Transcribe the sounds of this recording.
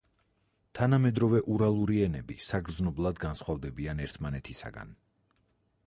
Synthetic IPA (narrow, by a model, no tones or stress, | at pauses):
t̪ʰanamɛd̪ɾɔvɛʔuɾalˠuɾiɛnɛbisaɡɾd̪znɔblˠad̪ɡansχwavd̪ɛbianɛɾt̪ʰmanɛt̪ʰisa̰ɡa̰n